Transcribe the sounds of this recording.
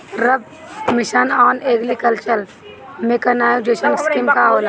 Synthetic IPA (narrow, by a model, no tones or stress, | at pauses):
ɾəb̚ | mɪʃanaːneːɡlikɐlt͡ʃəl | mekɐnaːjud͡ʒeːʃənskɪmkaoːla